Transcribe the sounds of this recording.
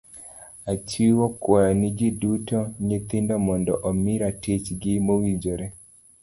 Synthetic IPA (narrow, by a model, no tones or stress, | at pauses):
at͡ʃiwokwajɔnid͡ʒidutɔɲet̪indɔmɔndɔ̰ʔɔmiɾatet͡ʃɡɪmowid͡ʒɔɾɛ